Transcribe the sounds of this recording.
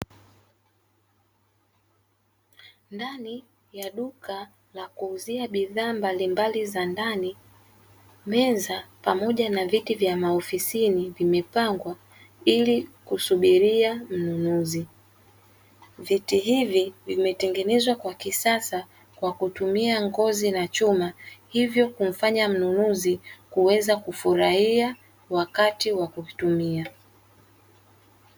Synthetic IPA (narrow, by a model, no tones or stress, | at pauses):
ndani | jaɗuka | lakuːziaɓiðaːmbalimbalizandani | mɛzapamɔʄanavitivjamaɔfisinivimɛpaŋɡwa | ilikusuɓiɾiam̩nunuzi | vitiɦivivimɛtɛŋɡɛnɛzwakwakisasa | kwakutumiaŋɡɔzinat͡ʃumahivjɔkum̩faɲam̩nunuzikuwɛzakufuɾahia | wakatiwakuitumia